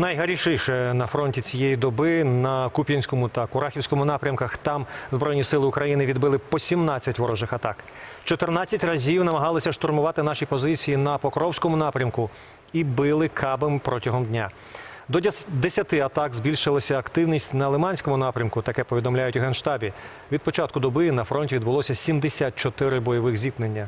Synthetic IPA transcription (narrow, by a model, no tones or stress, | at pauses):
nɐjɦɐɾʲiʃɪjʃɛnɐfɾɔnʲtʲit͡sʲijejid̪ɔbɪnɐkupʲjɐnʲsʲkɔmʊt̪ɐkʊɾɑxʲiwsʲkɔmʊnɑpɾʲɐmkɐxt̪ɑmzbɾɔjʲnʲisɪlˠɪʊkɾɐjinɪʋʲid̪bɪlˠɪpɔsʲimnɑt͡sʲːɐtʲʋɔɾɔʒɪxɐt̪ɑk | t͡ʃɔt̪ernɑt͡sʲːɐtʲrɐzʲiwnɐmɐɦɑlˠɪsʲɐʃt̪ɔrmʊʋɑt̪ɪnɑʃipɔzɪt͡sʲijinɐpɔkɾɔwsʲkɔmʊnɑpɾʲɐmkʊ | ibɪlˠɪkʰɑbempɾʔɔtʲɐɦɔmd̪ʲnʲa | d̪ɔd̪esʲɐt̪ɪɐt̪ɑkzbʲilʲʃɪlˠɐsʲɐːkt̪ɪwnʲisʲtʲnɐlˠemɑnʲsʲkɔmʊnɑpɾʲɐmkʊt̪ɐkɛpɔʋʲid̪ɔmlʲajʊtʲɦɛnʃt̪ɑbʲi | ʋʲid̪̚pɔt͡ʃɑt̪̚kʊd̪ɔbɪnɐfɾɔnʲtʲiʋʲid̪bʊlˠɔsʲɐsʲimd̪esʲat̪̚t͡ʃɔt̪ɪɾɪbɔjɔʋɪxzʲik̪nenʲːɐ